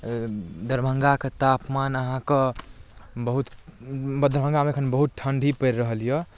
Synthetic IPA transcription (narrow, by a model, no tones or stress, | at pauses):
d̪əɾbʱəŋɡaket̪apmanəɦãke | bəɦut̪bd̪əɾbʱə̃ŋɡameəkʰənbəɦut̪̚ʈʰəɳɖʱipəɾːəɦəlijə